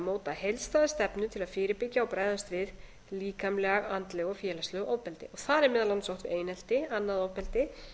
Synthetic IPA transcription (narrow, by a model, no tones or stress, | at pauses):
moːwt̪ahejlst̪aːðast̪ɛpnʏt̪ʰɪlaðfɪːɾɪɾpɪcːaɔpɾajðast̪vɪð | liːkamlɛɣaɣant̪lɛɣɔfjɛːlast̪lœɣʔowpɛlt̪ɪ̰ɔɣθaðɛɾmɛːðalansowht̪vɪ̰ʔeːjnɛl̥t̪ɪanːaðowpɛlt̪ɪ